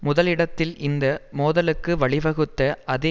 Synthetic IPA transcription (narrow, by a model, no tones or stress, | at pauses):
mʊðɐlɪɽɐt̪ːɪlɪnd̪ɐmoːðɐlɯkːɯʋɐɭɪʋɐɣɯt̪ːɐɐðe